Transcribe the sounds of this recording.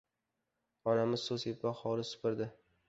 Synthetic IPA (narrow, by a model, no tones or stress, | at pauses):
ɒnamɪzsozepːaχɒlɪsʊ̥pɪɾd̪ɪ